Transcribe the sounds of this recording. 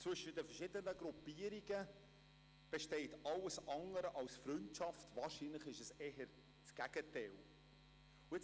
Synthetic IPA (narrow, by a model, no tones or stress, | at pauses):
t͡sʋʏʃədəfəʃɪdənəɡɾupiːəɾiɡə | b̥eʃtɛɪtɑlːəsɑŋəɾəʔɑlsfɾʏntʃɑftvɑːɾʃinləχɪʃəsɛɦəɾ | t͡sɡ̥æɡ̥ətɛl | uet͡s